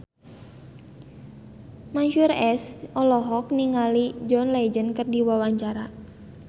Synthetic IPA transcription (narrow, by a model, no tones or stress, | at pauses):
maɲʃurɛsʔɔlɔɦɔk̚niŋalid͡ʒɔnlad͡ʒənkɨrdiwawaɲt͡ʃaɾa